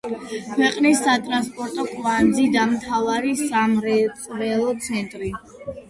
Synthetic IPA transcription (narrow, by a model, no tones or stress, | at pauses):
kʰwɛqʼnisːat̪ʼɾanspʼɔɾt̪ʼɔkʼvand̪zid̪amt̪ʰavaɾisamɾɛt̪ʼɾɛlˠɔt̪sʰɛnt̪ʼɾi